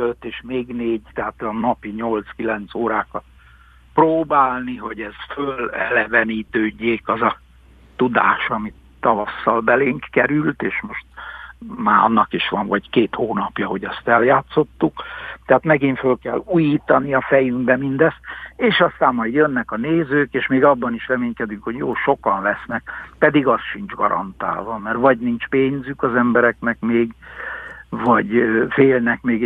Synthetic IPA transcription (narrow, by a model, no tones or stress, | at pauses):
øt̪ːeːʃmeːɡneːɟt̪ɛɦaːt̪ɒnɒpiɲo̞lt̪skilɛnt̪soːɾaːkɒt̪̚ | proːbaːlniɦo̞ɟɛsfølɛ̰lɛvɛniːt̪øːɟːeːkɒzɒ | t̪ud̪a̰ːʃɒmi | t̪ːɒvɒsːɒlbɛleːŋkkɛɾylt̪eːʃmo̞ʃt̪maːɒ̰nːɒkiʃʋɒɱvɒɟkeːt̪hoːnɒpjɒɦo̞ɟɛst̪ɛljaːt̪so̞t̪ːukt̪ɛɦaːt̪mɛɡiɱfølkɛlːuːjiːt̪ɒniɒfɛjyŋɡbɛmind̪ɛst̪eːʃɒst̪aːmːɒjd̪jønːɛkɒneːzøːkeːʃmeːɡɒbːɒniʃrɛmeːɲkɛd̪yŋkho̞ɟjoːʃo̞kɒnlɛsnɛk̚pɛd̪iɡɒsʃind͡ʒɡɒ̰ɾɒ̰nt̪a̰ːlvɒmɛrvɒɟnint͡ʃpeːɲzykɒzɛmbɛɾɛknɛkmeːɡ | vɒɟfeːlnɛkmeːɡ